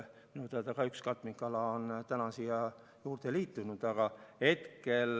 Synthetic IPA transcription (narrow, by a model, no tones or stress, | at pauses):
minut̪ɑt̪ɑkɑykskɑt̪ˑmiŋkːɑlɑont̪ænɑsiɑ | juːrt̪eliːt̪ːunud̪̥ɑɡ̥ɑhe̞t̪kel